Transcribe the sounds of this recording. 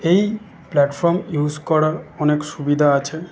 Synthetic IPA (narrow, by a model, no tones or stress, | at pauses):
ej | plɛʈfɔɾmjud͡ʑkɔɾaɾɔnekʃubid̪ʱaat͡ɕʰe